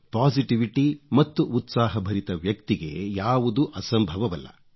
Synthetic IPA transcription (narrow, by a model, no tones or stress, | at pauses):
paːsiʈiʋiʈimɐt̪ːuʔut̪saːɦɐbʱɐɾit̪ɐʋjɐkt̪iɡe̞̰jaːʋud̪uʔɐsɐmbʱɐʋɐʋɐlːɐ̰